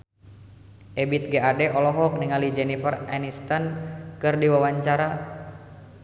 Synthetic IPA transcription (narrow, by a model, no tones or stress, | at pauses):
ʔɛbit̪̚ɡeadɛʔɔlɔɦɔk̚niŋalid͡ʒɛnifəra̰nist̪ankɨrdiwawaɲt͡ʃaɾa